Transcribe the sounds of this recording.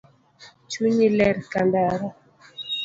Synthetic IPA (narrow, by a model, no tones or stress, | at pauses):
t͡ʃuɲilɛɾkandaɾɔ